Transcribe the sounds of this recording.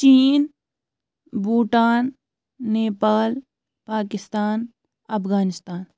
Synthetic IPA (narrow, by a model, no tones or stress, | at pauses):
t͡ʃiːn | buːʈaːnː | eːpaːl | paːkɪst̪aːn | ɐpʰɣaːnɪst̪aːn